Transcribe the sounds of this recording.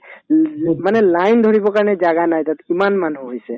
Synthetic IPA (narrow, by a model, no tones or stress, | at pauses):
manɛlajnd̪ʱoɹibɔkaɹned͡ʒaɡanajt̪at̪imanmanuɦojse